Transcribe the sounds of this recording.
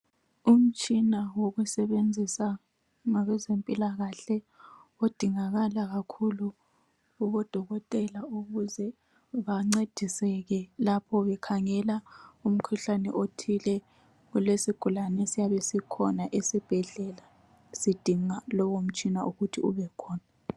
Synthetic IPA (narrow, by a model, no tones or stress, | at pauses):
um̩t͡ʃʼinawoɣusɛβend͡zʱisa | ŋaɣɛzempʼilaɣaɬɛ | od̥ʱiŋaɣalaɣakʰulu | uβɔd̥ʱɔɣɔtʼɛlauɣuzɛ | βaŋ͡ǀed̥ʱisɛɣɛlapʰɔβɛkʰaŋɛlaum̩kʰuɬanɛ̰ʔotʰilɛ | ɣulesiɡ̥ʱulanɛsijaβɛsikʰɔnaʔesib̥ʱɛɮɛla | sid̥ʱiŋalɔwom̩t͡ʃʼinaʔuɣutʰiṵβɛkʰɔːna